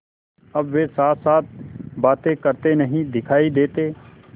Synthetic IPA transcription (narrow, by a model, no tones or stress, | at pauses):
ɐbʋesaːt̪saːt̪̚ʰbaːt̪ẽkəɾt̪enɐɦĩd̪ɪkʰaːid̪eːt̪eː